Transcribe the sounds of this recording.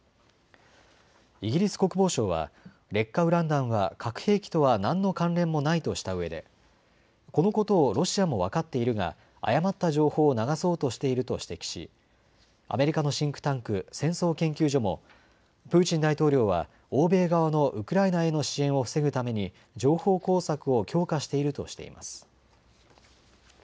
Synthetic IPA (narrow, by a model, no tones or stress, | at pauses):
iɡʲiɾʲisɨ̥ko̞kɯ̟bo̞ːɕo̞ːβa̰ | ɾe̞kːaɯ̟ɾãnd̪ãɰ̃βakʰakɯ̟̥he̞ːkʲi̥t̪o̞βanãnːo̞kãnɾẽ̞mːo̞nait̪o̞ɕi̥t̪aɯ̟βe̞d̪e̞̰ | ko̞no̞ko̞t̪o̞ːɾo̞ɕiamo̞βakat̪ːe̞iɾɯ̟ɡa̰ | a̰jamat̪ːaʑo̞ːho̞ːnaɡaso̞ːt̪o̞ɕi̥t̪e̞iɾɯ̟t̪o̞ɕi̥t̪e̞kʲi̥ɕḭ | a̰me̞ɾʲikano̞ɕĩŋkɯ̟̥t̪ãŋkɯ̟sẽ̞ɰ̃so̞ːkẽ̞ŋkʲɨːʑo̞mo̞̰ | pɯ̟ːt͡ɕĩnd̪ait̪o̞ːɾʲo̞ːβa̰ | oːbe̞ːɡaβano̞ʔɯ̟kɯ̟ɾainae̞no̞ɕiẽ̞ɰ̃o̞ɸɯ̟̥se̞ɡɯ̟t̪ame̞ɲ̟i | d͡ʑo̞ːho̞ːko̞ːsakɯ̟okʲʰo̞ːkaɕi̥t̪e̞iɾɯ̟t̪o̞̰ɕi̥t̪e̞̰ḭmʔa̰sɨ̥